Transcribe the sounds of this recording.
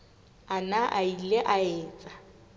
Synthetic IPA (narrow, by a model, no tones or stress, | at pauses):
anaʔaileʔaɛːt͡sʼa